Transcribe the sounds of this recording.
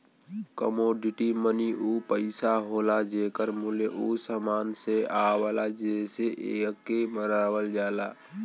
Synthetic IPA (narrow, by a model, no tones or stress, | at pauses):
kəmoːɖɪʈiməniʔuːpəɪsaɦoːlad͡ʒekəɾmʊleʔusəmaːnseaːwaːlad͡ʒeːseʔeːkːeməɾaːwəld͡ʒaːlaː